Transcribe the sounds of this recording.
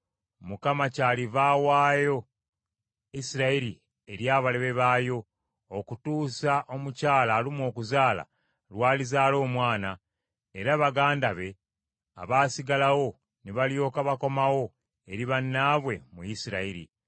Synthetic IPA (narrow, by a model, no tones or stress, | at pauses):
mukamacaːlivawaːjo̞ | isiɾaiɾi | e̞ɾjaːβaleβe̞βaːjo̞ː | kutuːsaʔo̞mucaːlaːlimwo̞ːkuzaːla̰ | lwaːlizaːlo̞ːmwaːna | eɾaβaɡaːndaβe̞ | a̰βaːsiɡalawo̞ | niβaljo̞ːkaβako̞mawo̞ | e̞ɾiβanːaːβwe̞mujisiɾaiɾḭ